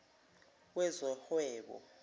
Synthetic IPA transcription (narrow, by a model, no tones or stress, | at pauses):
wɛzɔhwɛːɓɔ̰